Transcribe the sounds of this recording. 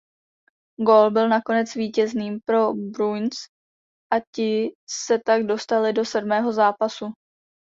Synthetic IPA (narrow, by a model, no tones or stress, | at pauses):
ɡo̞lbɪlnako̞nɛt͡sviːcɛzniːmpɾo̞bɾujns | ʔacɪsɛt̪aɡdo̞st̪alɪdo̞sɛdmɛːɦo̞zaːpasu